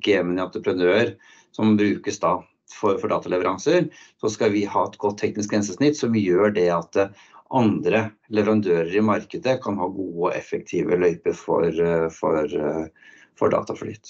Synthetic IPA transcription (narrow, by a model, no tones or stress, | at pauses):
ɡ̥eːmənɑnt̪ɾəpʰɾənøːəɾ | sɔmbɾʉːkəsd̪ɑ | fɔɾfɔɖɑ̰ːt̪ɑlɛʋəɾʔɑŋsəɾsɔskɑʋɪhɑːɛt̪ɡɔt̪ʰːɛknɪsk̪ɛnsəsnɪt̪ːsɔmjøːɖɛɑt̪ | ʔɑnd̪ɾəlɛʋəɾɑnd̪øːɾəɾɪmɑɾkəd̪əkʰɑnhɑːɡuːəɔʔɛ̰fək̚t̪ʰiːʋə̰lœʏpəɾfɔ̰ɾfɔɾ | fɔ̰ɖɑ̰ːt̪ɑflḭːt̪